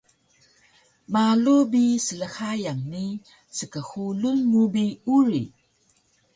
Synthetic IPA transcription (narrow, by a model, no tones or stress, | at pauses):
malubisələxajaŋni | səkəxulunmubiuɾḭ